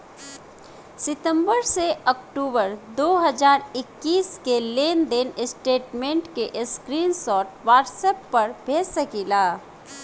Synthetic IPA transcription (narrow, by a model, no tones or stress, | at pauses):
sɪt̪ə̃mbəɾseʔɔkʈuːbəɾd̪oːɦəzaːɾɪkːiːskeleːnd̪enɪsʈeːʈmẽːɳʈkeʔskɾiːnsɔːʈʋaːʈsɛːpːɐɾbʱeːsəkilaː